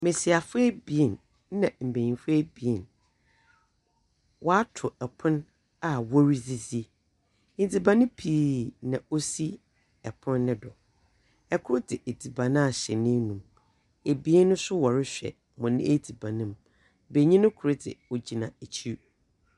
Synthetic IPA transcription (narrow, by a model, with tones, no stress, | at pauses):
mẽ˨si˨a˨fʊ˦ɛ˦bi˨e˨n˦ | nã˨m̩˨bẽ˨ɲĩ˨fʊ˦ɛ˦bi˨e˦˨n | wʔɔ˦a˦tʰʊ˨ɛ˨pʰʊ̃˦n | a˨wɔ˦ɾi˦zi˨zi˦ | ɪ̃˨d͡zi˨bã˨˦nɪ̃˦pʰiː˦˨˦nã˨o˦si˦ | ɛ˨pʰʊ̃˦nːɪ̃˦dɔ˨ | ɛ˨kʰʊ˦ɾʊ˦dɪ˨ʔe˨di˨bã˨nã˦a˨ɕɛ˨nɪ̃˦nũ˨m | e˨bi˨˦e˦nʊ̃˦sʊ˦wɔ˨ɾɪ˦ɕᶣɛ̰˨ | mɔ̃˨nɪ̰̃˦e˦di˨bã˨nɪ̃˦m | be˨ɲĩ˦nʊ̃˦kʰʊ˨ɾʊ˦dɪ̰˨o˨d͡ʑi˨nã˨e˨t͡ɕʰi˦